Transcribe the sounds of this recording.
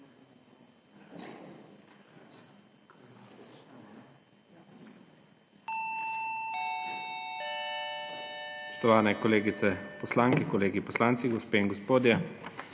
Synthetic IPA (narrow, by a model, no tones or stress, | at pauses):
spɔst̪ɔʋaːnɛkɔleːɡit̪sɛpɔslaːŋkikɔleːɡipɔslaːnt̪siɡɔspeːiŋɡɔspoːd̪jɛ